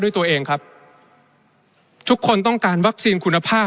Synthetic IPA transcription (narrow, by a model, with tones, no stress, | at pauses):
du˥˩jt̪u˧ɐʔeː˧ŋkʰa˦˥p̚ | t̪ʰu˦˥kʰːo˧nt̪ɔ˥˩ŋkaː˧nwa˦˥k̚siː˧nkʰu˧nːa˧pʰaː˥˩